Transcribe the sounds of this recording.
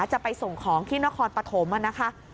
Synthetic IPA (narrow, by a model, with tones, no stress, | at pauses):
t͡ɕa˨˩pa˧jso˨˩ŋkʰɔː˩˦ŋt̪ʰiː˥˩na˦˥kʰɔː˧npa˧t̪ʰo˩˦mʔa˨˧˩na˦˥kʰa˦˥